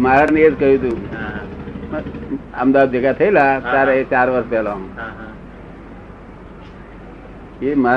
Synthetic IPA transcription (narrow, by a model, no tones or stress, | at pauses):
maɾəʈneed͡ʒkəɦjũt̪ũ | ə̰md̪ad̪ekat̪ʰəilataɾt͡ʃaɾʋəɾspɛːlaɦũ | ema